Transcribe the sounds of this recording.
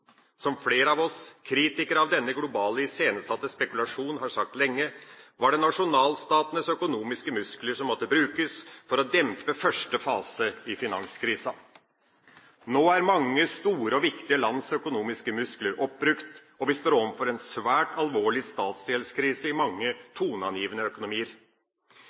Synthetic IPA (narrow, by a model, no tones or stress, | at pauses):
sɔmfleːɾəɑʋɔskʰɾiːt̪ɪkəɾɑʋd̪ɛnːəɡlʊbɑːləɪseːnəsɑt̪ːəspɛkʉlɑʂuːnɦɑɾʂɑk̚t̪lɛŋːəʋɑɖɛnɑʂʊnɑːlst̪ɑːt̪ənəsœkʊnuːmɪskəmʉskləʂɔmːɔt̪ːəbɾʉːkəsfɔɾɔd̪ɛmpəfœʂʈəfɑːsəɪfɪnɑnskʰɾiːsɑ | noːæɾmɑŋːəst̪uːɾəɔʋɪkt̪ɪəlɑnsœkʊnuːmɪskəmʉskləɾʔɔp̚bɾʉkt̪ | ɔʋɪst̪oːɾɔʋəfɔɾɛnsʋæːʈɑlʋoːɭɪst̪ɑːt̪selskʰɾiːsəɪmɑŋːət̪ʰuːnəɑnjiːʋənəœkʊnʊmiːəɾ